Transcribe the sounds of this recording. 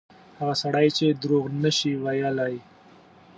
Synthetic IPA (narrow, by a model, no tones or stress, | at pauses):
haɣasaɽajt͡ʃed̪ɾoɣnaʃiwajalaj